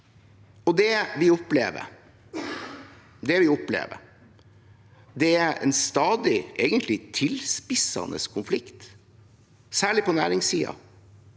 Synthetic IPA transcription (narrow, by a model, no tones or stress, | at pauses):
ɔd̪ɛʋɪɔpleːʋə̰ | d̪ɛʋɪɔplḛːʋə̰ɾ | d̪ɛæɛ̰nst̪ɑːd̪ɪʔeːɡənt̪ʰlɪt̪ʰɪlspɪsɑ̰nə̰skʰʊnflɪkt̪ | sæːɭɪpɔnæ̰ːɾɪŋsiːɑ̰